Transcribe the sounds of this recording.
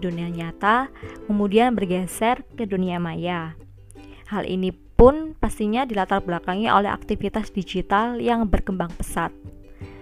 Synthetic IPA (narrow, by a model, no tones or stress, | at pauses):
duniaɲat̪akəmudianbərɡɛsɛrkəduniamaja | halʔḭnipʊnpast̪iɲadilat̪arblakaŋiʔo̰lɛɦa̰k̚t̪ifit̪asdid͡ʒit̪aljaŋbərkəmbaŋpəsat̪̚